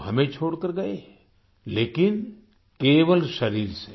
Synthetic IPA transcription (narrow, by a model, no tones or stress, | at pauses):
ɦɐmẽt͡ʃʰoːɽkəɾɡɐe | leːkɪn | keːʋəlʃɐɾiːɾse